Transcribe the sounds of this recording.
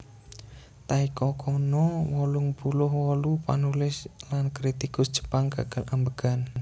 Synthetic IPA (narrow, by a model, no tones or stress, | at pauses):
t̪aikɔkʰɔnɔwɔlʊŋbulʊhwɔlupa̰nulɪslankɾit̪ikʊsd̥ʒ̥ə̥̤paŋɡa̰ɡ̥alambəɡ̥a̤n